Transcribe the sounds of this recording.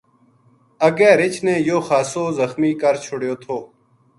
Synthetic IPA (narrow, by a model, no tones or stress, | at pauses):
əɡɛːɾɪt͡ʃneːjoːxaːsoːzəxmiːkəɾt͡ʃʰʊɽjoːt̪ʰoː